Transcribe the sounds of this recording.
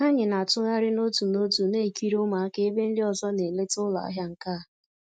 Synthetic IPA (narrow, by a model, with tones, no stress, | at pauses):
a˦ɲɪ˨na˨tʊ˦ɣa˦ɾɪ˦no˦tu˨no˦tu˨ne˦˨ki˦ɾʊ˦ma˨a˦ke˦be˦n̩˦dɪ˦ɔ˨zɔ˦ne˨le˦tʊ˦la̰˨a̰˦ɦja˦ŋ̩˨ka˦˨